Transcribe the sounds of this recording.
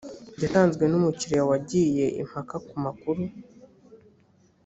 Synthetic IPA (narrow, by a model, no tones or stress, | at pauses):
ɟataːnzɡwe̞numuciɾijawaɟije̞ʔḭm̥hakakumakuɾu